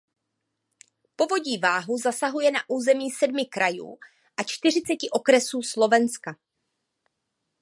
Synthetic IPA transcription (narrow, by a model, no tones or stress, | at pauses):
po̞vo̞ɟiːvaːɦuzasaɦujɛnaʔuːzɛmiːsɛdmɪkɾʔajṵː | ʔat͡ʃt̪ɪr̝ɪt͡sɛcɪʔo̞kɾɛsuːslo̞vɛnska